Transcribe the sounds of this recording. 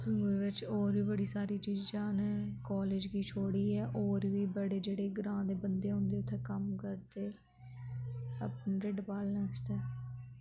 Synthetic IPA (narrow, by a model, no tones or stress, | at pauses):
ʊɾʋɪt͡ʃoːɾʋiːbəɽiːsaːɾiːt͡ʃiːd͡ʒd͡ʒãːneːkɔːleːd͡ʒkiːt͡ʃʰoːɽiːɛːʔoːɾʋiːbəɽeːd͡ʒeːɽeːɡɾãːd̪eːbənd̪eːɦʊ̃ːnd̪eːʊt̪ʰːeːkəmkəɾt̪eː | əpnːɾeɖpaːlnəːt͡ʃt̪ɛː